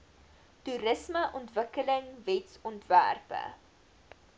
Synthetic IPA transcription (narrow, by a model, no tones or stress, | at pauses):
tuɾəsməʔɔntvəkələŋvɛtsɔntvæ̰rpə̰